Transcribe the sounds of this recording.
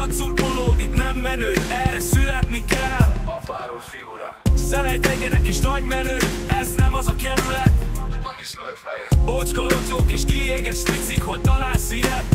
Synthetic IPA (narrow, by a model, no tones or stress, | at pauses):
ɒk̪surboloːd̪it̪nɛmːɛnøːɛrɛsylɛt̪nikɛl | sɛlɛjt̪ɛɡɛɾɛkiʃnɒɟmɛnøːɛznɛmɒzɒkɛzlɛt̪ | ot͡ʃkolozoːkeʃkieːɡɛʃt̪iksikho̞ɟ̚t̪ɒlaːsiɾɛt̪